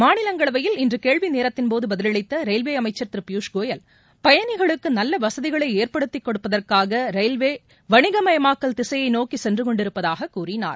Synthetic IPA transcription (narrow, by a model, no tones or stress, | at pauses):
maːnɪlɐŋɡɐɭɐʋɐjɪlɪndrɯkeːɭʋineːɾɐt̪ːɪnpoːðɯbɐðɪlɐɭɐɪt̪ːɐɾɐɪlʋeːɐmɐɪt͡ʃːɐɾt̪ɪɾɯpjuːʂɡoːjɐl | pɐjɐnɪɣɐɭɯkːɯnɐlːɐʋɐsɐðɪɣɐɭɐɪeːrpɐɽɯt̪ːɪkːɔɽɯpːɐðɐrkaːɣɐɾɐɪlʋeː | ʋɐɳɪɣɐmɐjɐmaːkːɐlt̪ɪsɐjɐɪnoːkisɛndrɯkɔɳɖɪɾɯpːɐðaːɣɐkːuːrɪna̰ːɾ